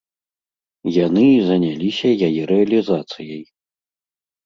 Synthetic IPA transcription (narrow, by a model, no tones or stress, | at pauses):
janɨzɐnʲalʲisʲɐjajɛɾɛɐlʲizat̪sɨjɐj